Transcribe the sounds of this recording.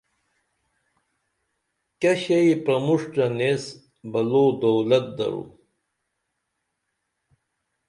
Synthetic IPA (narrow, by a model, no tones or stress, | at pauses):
kɐɕejpɾɐmuʂʈɐnes | bɐloːd̪owlɐt̪̚d̪ɐ̰ɾṵ